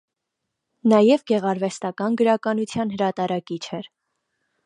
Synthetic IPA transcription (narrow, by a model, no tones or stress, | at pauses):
nɑjɛvɡɛʁɑɾvɛst̪ɑkɑnɡəɾɑkɑnut͡sʰjɑnɦəɾɑt̪ɑɾɑkit͡ʃʰɛɾ